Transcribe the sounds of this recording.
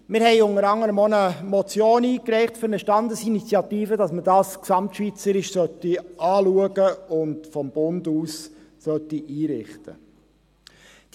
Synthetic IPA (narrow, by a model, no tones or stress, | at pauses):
mɪɾhɛɪʊŋəɾɑŋːəɾəmonəmɔt͡sjoːniːkrɛɪχtfʏɾnəʃtɑndəsinit͡sjɑtiːfədɑsmədɑːsksɑmtʃʋit͡səɾɪʃsœtiɑːluəɡəʊndfɔmb̥ʊnduːs | sœtiʔiːɾɪχtə̰ | d̥